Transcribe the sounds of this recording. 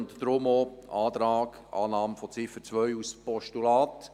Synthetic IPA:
nt̪d̥ɾʊmoːɑːt̪ɾɑːk | ʔɑ̰ːnɑːmfɔt͡sɪfət͡sʋœʏuspɔʃtulɑːt

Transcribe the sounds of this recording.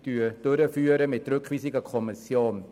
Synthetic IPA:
d̥yːd̥ʊɾəfyːəɾəmɪt̚rʏkv̥iːsiɡəkʰɔmisjoːn

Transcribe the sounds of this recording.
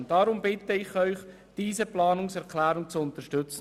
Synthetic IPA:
nd̥ɑɾʊmbɪt̪əɪχœʏχ | d̥iːzəplɑːnʊŋsɛʁkʰlæːɾʊŋt͡sʊnt̪əʃtʏt͡sə

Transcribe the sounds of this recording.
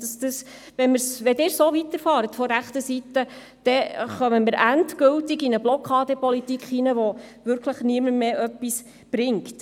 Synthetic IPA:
d̥ɑsd̥əs | ʋɛnmɪɾsʋɛdɪːɾsoːʋit̪əɾfɑːɾətfɔɾæχtəsitə | d̥ɛχœməmɪɾæntkɵltiɡinəblɔkʰɑːdəpɔlitikχinəʋɔʋʏɾkʰləχniəməmeːʔœpːis | b̥ɾɪŋkt

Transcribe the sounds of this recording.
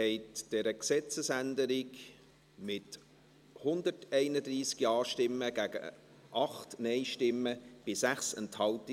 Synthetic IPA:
ɛɪtd̥ɛːɾəksɛt͡səsændəɾɪk | mɪt | hʊnd̪ətɛɪnədɾiːsɡiɑːʃtɪmːəɡ̥æːɡə̰ | ʔɑχtnɛɪʃtɪmːəb̥ɪsæχsɛ̰nthɑlti

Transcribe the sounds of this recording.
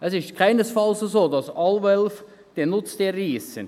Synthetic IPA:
ɛsɪst̚kʰaɪnəsfɑlssoːdɑsɑlvɛlf | d̥enʊt͡sd̥erːiːsə̰n

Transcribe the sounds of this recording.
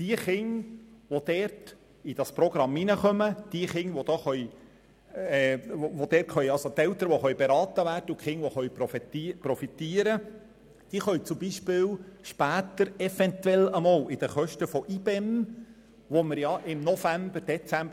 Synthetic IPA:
d̥iəχɪŋʋod̥̪ɛːɾt | id̥ɑspɾɔɡ̥ɾɑmːinəχœməd̥iəχɪŋʋod̥̪ɑːχœʏ | oʋod̥̪ɛːtχœjɑlsot̪ɛlt̪əɾʋoχœʏbeɾɑːt̪əʋæːrd̥əʊkχɪŋʋoχœʏpːpɾɔfit̪iəɾə | d̥iəχœʏt͡sʊmbiʃpɪːwʃpæːt̪əɾɛfɛnt̪wɛləmɑːlɪd̥̪əχœʃtəfɔʔib̥ɛm | ʋoməɾjɑʔɪmnɔfæmbəɾd̥ɛt͡sæmb

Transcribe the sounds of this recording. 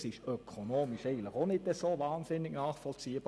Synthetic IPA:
sɪʃøkʰonoːmɪʃɛɪɡn̩tləχonɪtəsovaːnsɪnːɪɡnaːχfɔlt͡siːəb̥ɑ

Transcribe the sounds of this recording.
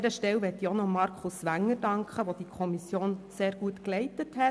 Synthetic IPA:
ɾəʃtɛwʋɛt̪ːionɔmɑɾkʰχʊsʋæŋːəɾd̥ɑŋkχəʋod̥ikʰɔmisjoːnseːɾɡ̥uətklɛɪtəthɛ

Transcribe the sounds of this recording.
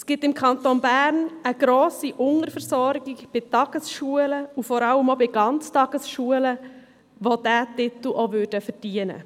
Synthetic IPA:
sɡ̥ɪp̚tɪmkʰɑnt̪onbæːɾnəɡ̥ɾoːsiʔʊŋəɾfəɾsɔɾɡɪɡb̥ɪtɑɡ̥əsʃuələufɔɾɑləmobɪɡ̥ɑnt͡stɑɡ̥əsʃuələ | ʋod̥æːtɪt̪l̩ʔoʋʉɾdəfəd̥iənə̰

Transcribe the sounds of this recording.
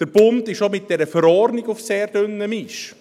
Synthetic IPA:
d̥əɾb̥ʊndɪʃomɪt̚d̥ɛɾəfəɾɔɾnɪɡʊfseːɾdʏnːəmɪʃ

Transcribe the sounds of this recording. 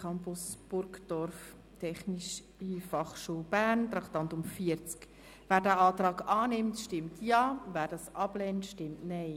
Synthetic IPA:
kʰɑmpʊsb̥ʊɾkd̥ɔɾf | tʰɛχniʃ | ifɑχʃuːlbæːɾntɾɑktɑntʊmfiəɾt͡sk | ʋæːɾdæːɑːtɾɑːɡɑːnɪmtʃtɪmtʰjɑːvæːɾdɑsʔɑb̥lɛntʃtɪmtnɛɪ

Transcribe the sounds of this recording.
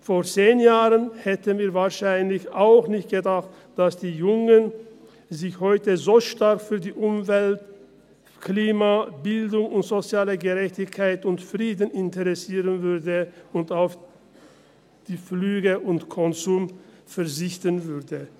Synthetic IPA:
foːɐt͡seːnjaːʁənhɛtənviːɐvaːɐʃaɪnlɪçaʊxnɪçtɡ̥ədaχt | d̥asd̥iːjʊŋən | zɪçhɔʏtəzoːʃtaɐkfyːɐdiːʔʊmvɛlt | kʰliːmabɪldʊŋʊntz̥ot͡sjaːləɡəʁɛçtɪçkʰaɪtʊntfʁiːdn̩ɪntəʁɛsiːʁənvʏɐdəʊntaʊf | d̥iːflyːɡəʔʊntkʰɔnzuːmfɛɐzɪçtənvʏʁdə

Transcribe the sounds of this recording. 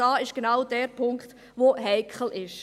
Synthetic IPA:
ɑːɪʃɡ̥enaʊdɛːɾpʰʊŋkt | ʋoɦɛɪkχl̩ʔɪʃ

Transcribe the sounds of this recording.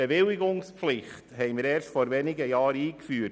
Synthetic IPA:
eʋɪlɪɡʊŋspflɪχthɛɪməɾɛːɾʃtfɔɾʋɛnɪɡəjɑːɾiːkfyː

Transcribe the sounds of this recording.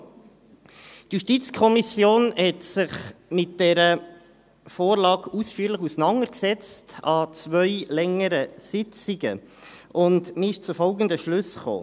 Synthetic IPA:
tjuʃtit͡skʰɔmisjoːnhɛtsɪχmɪt̚d̥ɛɾə | foːɾlɑːɡusfyːɾləχusənɑŋəɾksɛt͡stʰɑt͡sʋœʏlɛŋəɾəsɪt͡siɡə̰ʔʊndmɪɪʃt͡sʊfɔlɡənd̪əʃlʉsχo̰ː

